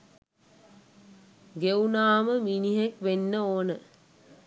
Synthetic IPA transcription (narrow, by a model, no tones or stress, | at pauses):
ɡeunaːməminiɦekʋenːəoːnə